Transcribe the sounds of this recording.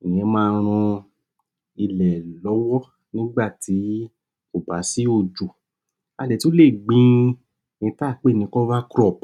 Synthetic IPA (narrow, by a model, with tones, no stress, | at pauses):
ĩ˨ɛ̃˧mãː˦˧˦ɾ̃ũ˧ | i˧˨lɛ˨lɔ˨˦wɔ˦ | nĩ˦ɡ͡ba˦˨ti˨˦ | o˨ba˨˦si˦o˦˨d͡ʒo˨ | a˧dɛ˨ti˦o˦le˦˨ɡ͡bĩ˦ | nĩ˧˦ta˦˨k͡pe˦˨nĩ˧kɔ˦va˦kɾɔ˦˨p